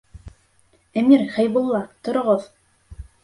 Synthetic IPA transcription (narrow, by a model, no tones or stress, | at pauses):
æmiɾχæjbulˠːɑt̪ŏɾŏʁoð